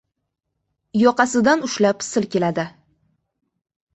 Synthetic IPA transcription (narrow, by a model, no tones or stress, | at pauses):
jɒqɑsɪd̪anʊʃlapsɪlkʲelad̪ɪ